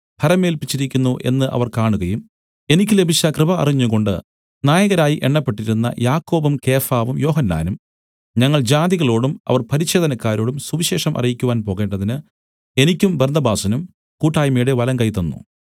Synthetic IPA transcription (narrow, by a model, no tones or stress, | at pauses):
pʰɐɾɐme̞ːlpit͡ɕːiɾikʲːunːuʔe̞̰nːɨʔɐ̰ʋɐrkaːɳuɣɐjum | e̞nikʲːɨle̞bʱit͡ɕːɐkrɨbɐɐ̰riɲːuko̞ɳɖɨ̰ | naːjɐɣɐɾaːjiʔe̞ɳːɐpːe̞ʈːiɾunːɐ̰jaːkːo̞ːbɐmke̞ːfaːʋumjo̞ːɦɐnːa̰ːnum | ɲɐŋːɐɭd͡ʑaːd̪iɣɐɭo̞ːɽumɐ̰ʋɐrpɐɾiɕe̞ːd̪ʱɐnɐkːaːɾo̞ːɽumsuʋiɕe̞ːʂɐmʔɐ̰rijikʲːuʋaːnpo̞ːɣe̞ːɳɖɐðinɨ | e̞nikʲːumbernɐbaːsɐnum | kuːʈːaːjmejɽeʋɐlɐŋkɐjt̪ːɐnːṵ